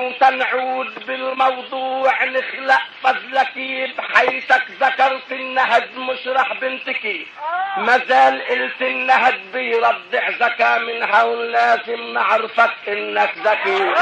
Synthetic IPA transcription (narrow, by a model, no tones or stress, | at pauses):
t̪anʕuːd̪bɪlmɑwd̪ˤuːʕnɪxlaʔfɑðˤlakibħajt̪akzakɑɾˤt̪ɪnːaɦd̪mʊʃɾˤɑħbɪnt̪ɪkimazaːlʔɪlt̪ɪnːaɦd̪̚bɪjɾˤɑd̪ːɪħzakaːmɪnɦawlaːzɪmnɪʕɾfakʔɪnːakzakiːɾ